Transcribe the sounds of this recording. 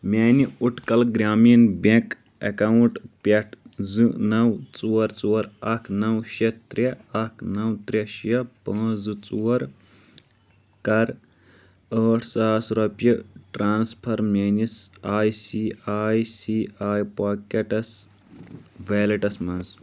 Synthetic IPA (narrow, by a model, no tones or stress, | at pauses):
mʲeːniuʈʰkɐlɡɾʲaːmijɐnbʲẽk | ɐ̰kɐwuɳʈpʲɐʈʰzɨnɐwt͡suːɐɾt͡suːɐɾɐkʰnɐwʃet̪ɾjɐɐkʰnɐwt̪ɾʲeʃjɐpɐ̃ːzɨt͡suɐɾ | kɐɾ | əːʈʰsaːsɾɐpjiʈɾaːnspʰɐɾmʲeːnisaːjsiːaːjsiːaːjpaːkeʈɐs | ʋeːlɐʈɐsmɐnz